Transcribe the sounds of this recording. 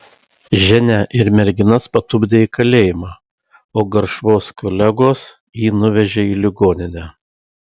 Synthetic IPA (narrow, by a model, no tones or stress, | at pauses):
ʒʲɛnʲæʔɪɾmʲɛɾʲɡʲɪnɐspɐt̪ʊbʲd̪ʲeːiːkɐlʲeːjɪmɑː | oːɡɐɾʃʋoːskʰɔlʲæɡoːs | jiːnʊʋʲɛʒʲeiːlʲɪɡoːnʲɪnʲɛː